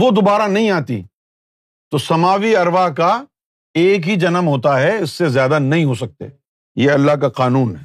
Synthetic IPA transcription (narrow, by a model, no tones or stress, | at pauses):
ʋod̪obaːɾanɐɦĩaːt̪ḭ | t̪osɐmaːʋiɐɾʋaka | eːk̬ɦid͡ʒɐnəmɦoːt̪̬aɦɛɪsːezjaːd̪anɐɦĩɦoːsɐk̚t̪ḛː | jeɐlːaɦkaqaːnuːnɦɛ